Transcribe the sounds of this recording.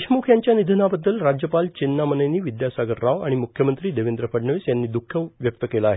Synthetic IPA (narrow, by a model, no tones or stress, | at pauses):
ɕmukʰjaɲt͡ɕjanid̪ʱənabəd̪ːəlɾad͡ʑjəpalt͡ɕinːamənəjniːʋid̪jasaɡəɾːaʋa̰ɽ̃imukʰjəmənt̪ɾiːd̪eʋend̪ɾəpəɽɳəʋisjanːiːd̪ukʰːəʋʋjək̚t̪əkelaːɦe